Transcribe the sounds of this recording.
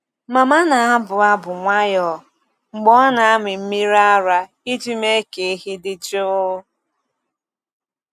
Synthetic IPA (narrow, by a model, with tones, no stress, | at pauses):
ma˨ma˦na˨a˦bʊ˨a˦bʊ˨ŋʷa˦jɔ˨ | ŋ͡m̩˨ɡ͡bɔ˦na˨a˦mɪ˨m̩˦mi˦ɾa˦a˦ɾa˦ | i˦d͡ʒi˦me˦ke˨e˦ɦi˦dɪ˦d͡ʒo˦ʊ˦